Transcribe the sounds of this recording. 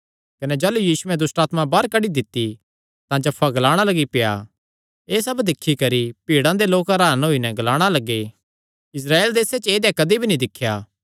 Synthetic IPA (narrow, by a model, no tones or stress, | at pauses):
kɐnɛd͡ʒaːlujiːsʊɛ̃d̪ʊsʈaːt̪mãbaɾkɐɽid̪ɪt̪ːi | t̪ãd͡ʒɐpʰːaɡɐlaːɽ̃alɐɡipeja̰ | eːsɐbd̪ɪkʰːikɐɾipiːɽãd̪eloːkɐɾaːənɦoːinɛɡɐlaːɽ̃alɐɡːe | ɪs̬ɾaːeːld̪eːset͡ʃeːd̪jãkɐd̪ibʱinĩd̪ɪkʰːjaː